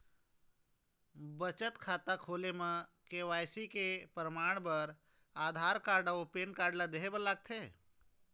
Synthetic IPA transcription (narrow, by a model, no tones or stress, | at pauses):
bət͡ʃət̪kʰaːt̪akʰoːlemə̃keʋajsikepɾəmaːɽ̃bəɾ | ad̪ʱaɾkaːɾɖaopeːnkaɾɖlad̪eɦebəlaɡ̚t̪ʰe